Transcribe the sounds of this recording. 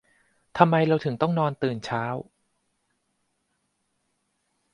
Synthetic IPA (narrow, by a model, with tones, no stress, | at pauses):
t̪ʰa˧mːa˧jɾa˧wt̪ʰɯ˩˦ŋt̪ɔ˥˩ŋnɔː˧nt̪ɯː˨˩nt͡ɕʰaː˦˥w